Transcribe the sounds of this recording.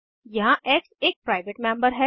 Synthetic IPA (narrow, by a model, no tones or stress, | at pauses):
jɐɦãʔeːkseːk̚pɾaːɪʋeʈmɛ̃ːmbəɾɦɛ